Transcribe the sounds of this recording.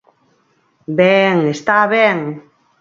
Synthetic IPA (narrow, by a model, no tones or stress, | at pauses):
beŋest̪aβɛŋ